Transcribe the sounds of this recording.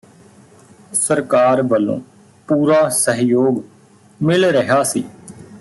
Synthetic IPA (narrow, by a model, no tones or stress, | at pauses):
səɾkaːɾʋəlːõ̰ː | puːɾaːsəɦjoːɡ | mɪlɾəɦaːsiː